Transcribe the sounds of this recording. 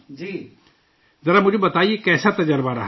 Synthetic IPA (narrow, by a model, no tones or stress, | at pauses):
d͡ʒi | zɐɾamʊd͡ʒʱebɐt̪aːiekɛːsat̪ɐd͡ʒəɾbaɾɐɦ